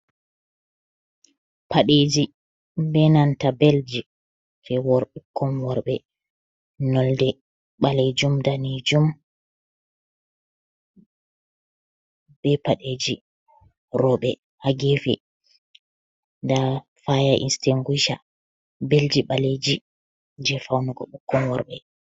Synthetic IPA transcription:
pʰaɗed͡ʒi | bɛnantabeld͡ʒi | tʰɛwɔɾɓɛkʰːɔmwɔɾɓɛ | nɔldɛ | ɓaled͡ʒumdanid͡ʒum | b̥ɛpaɗed͡ʒi | ɾɔɓɛ | haɡefɛ̰ | da | fajaʔḭnsteŋɡuʃa̰ | beld͡ʒiɓaled͡ʒi | d͡ʒɛfawnɔɡɔɓukːɔnwɔ̰ɾɓɛ

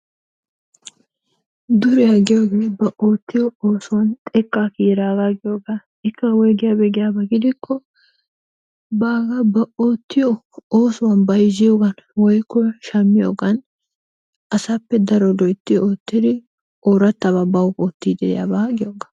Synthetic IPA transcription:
d̪ʊɾɛjɐɡɪjoːɡeːbɐʔoːt̪ːɪjɔoːsʊwɐnt̪ʼɛkːaːkiːɾaːɡaɡɪjoːɡɐ | ɪkːɐwɔjɡɪjabɛɡɪjabɐɡɪd̪ɪkʰːɔ | baːɡɐbɐʔoːt̪ːɪjɔ | oːsʊwɐnbɐjzɪjoːɡɐnwɔjkːɔʃɐmːɪjo̰ːɡɐn | ʔɐsɐpːɛd̪ɐɾɔd̪ɔjt̪ːɪjoːt̪ːɪd̪ɪ | oːɾɐt̪ːɐβɐbɐwkoːt̪ːiːd̪ɛɛ̰jɐ̰bɐɡɪjoːɡɐ̥

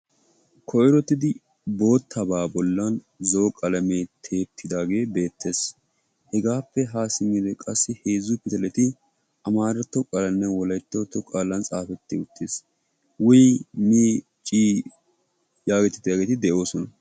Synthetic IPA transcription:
kʰɔʔɪɾɔt̪ːɪd̪ɪ | bo̞ːt̪ʰːɐbaːbɔlːɐn | zoːkʼɐlɐmeːt̪ʰe̞ːt̪ʰːɪd̪aːɡe̞ːbe̞ːt̪ːe̞ːs | hɛɡaːpːɛɦaːsɪmɪd̪ɛkʼɐsːɪhe̞ːzʊpɪt̪ɐlɛt̪ɪ | ʔɐmaːɾɐt̪ːɔkʼalɐnːɛwɔlɐjt̪ːoːt̪ːɔkʼaːlɐnt͡sʼaːfɛt̪ːɪʊt̪ʰːeːs | wʊjmiː | t͡ʃʼiː | jaːɡɛt̪ːɪ̥t̪ːaːɡet̪ɪd̪ɛʔo̞ːsɔnɐ

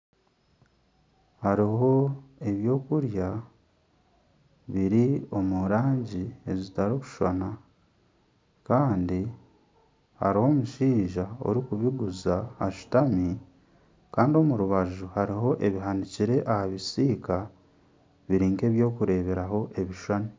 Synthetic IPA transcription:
haɾiho̞e̞βjo̞ːkuɾja | βiɾio̞muɾaːɲɟie̞zitaɾiku̥ʃwa̰na | kaːndi | ha̰ɾiho̞ːmuʃiːʒao̞̰ɾikuβiɡuzahaʃu̥tami | kaːndio̞muɾuβaʒuhaɾiɦo̞ʔe̞βiɦaniciɾe̞ʔahaβisiːka | βiɾiːŋke̞ːβjo̞ːkuɾe̞ːβe̞ɾaho̞ʔe̞βiʃwani

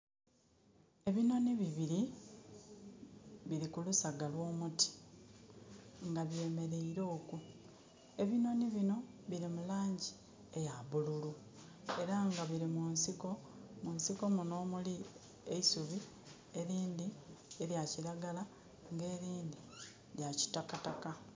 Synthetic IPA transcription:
e̞βino̞niβiβiɾi | βiɾikulusaɡalwo̞ːmuti̥ | ŋɡaβje̞ːme̞ɾe̞iɾo̞ːku | e̞βino̞niβino̞ | βiɾimulaːɲɟi | e̞jaβululu | e̞ɾaŋɡaβiɾimunsiko̞ | munsiko̞muno̞ːmuli | eisuβi | e̞ɾiːndieɾjaciɾaɡala | ŋɡe̞ːɾiːndi | ɾjaci̥takataka

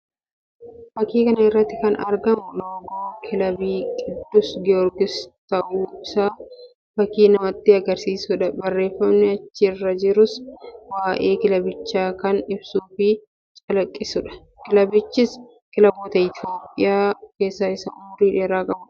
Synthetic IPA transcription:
b̥ɐkːiːkɐnɐɪrːɐt̪ːɪkɐnɐ̰ɾɡɐmʊnoːɡoːkʰɪlɐbiːkʼɪd̪ːʊsɡɛɔɾɡɪst̪ɐʔuːɪsaː | b̥ɐkːiːnɐmɐt̪ːɪɐɡɐɾsiːsʊᶑɐbɐrːe̞ːfːɐmnɛɐt͡ʃːɪrːɐd͡ʒɪɾʊswaːʔe̞ːkɪlɐbɪt͡ʃːaːkɐnɪbsuːfɪ | t͡ʃʼɐlɐkʼːɪsʊᶑɐ̥ | kɪlɐbɪt͡ʃːɪs | kɪlɐboːt̪ɐɪt̪ʰjo̞ːpʼɪjaːke̞ːsːaɪsɐʊmʊɾiːᶑeːɾaːkʼɐbʊᶑɐ̥

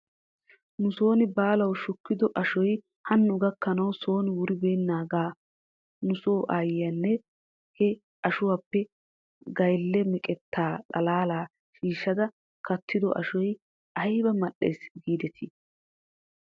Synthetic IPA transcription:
nʊso̞ːnɪbaːlɐwʃʊkːɪd̪ɔʔɐʃɔj | hɐnːʊɡɐkːɐnɐwsoːnɪwʊɾɪbeːnːaːɡaː | nʊsoːʔajɐnːɛ | hɛ | ɐʃʊwapːɛ | ɡɐjlːɛmɛkʼɛt̪ːaːᶑɐlaːlaː | ʃiːʃːɐd̪ɐ | kɐt̪ʰːɪd̪ɔ̰ʔɐ̰ʃɔj | ʔɐjbɐmɐɗːḛjsɡiːd̪ɛt̪ʰɪ

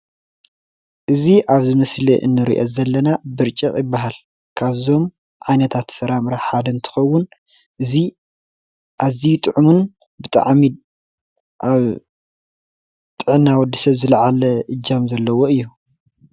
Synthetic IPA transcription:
ʔɨziʔaβzɨmɨsliʔɨ̰nːɨɾḭʔozɐlːɐnabɨɾt͡ʃʼɐχʼjɪbːaɦal | kʰaβzo̞m | ʕajnɐt̪ʰat̪fɐɾamɾaħad̪ɐnt̪ʰɨ̥xɐwːʊn | ʔɨzi | ʔazijt̪ʼɨʕumun | bɨt̪ʼa̰ʕmi | ʔaβ | t̪ʼɨʕɨnːawɔd̪ːisɐβzɨlɐʕalɐʔɨd͡ʒːamzɐlːɐwoɨjːu

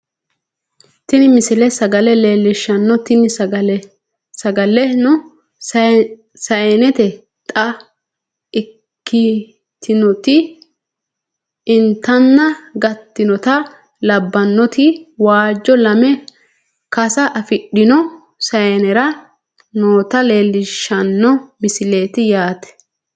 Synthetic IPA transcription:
t̪ɪnɪmɪsɪlɛsɐɡɐlɛleːlːɪʃːɐnːɔt̪ɪnɪ | sɐɡɐlːɛnʊ | sɐjɛnɛt̪ɛ | t̪ʼɐ | kːɪ | t̪ʰɪnɔt̪ɪ | ɪnt̪ːɐnːɐɡɐt̪ːɪnɔt̪ɐ | lɐbːɐnːɔt̪ʰɪwaːd͡ʒːɔlɐmɛ | kɐsɐʔɐfɪɗːɪnɔ | sɐjɛnɛɾɐ | noːt̪ɐle̞ːlːɪʃːɐnːɔmɪsɪle̞ːt̪ɪjaːt̪ɛ̥

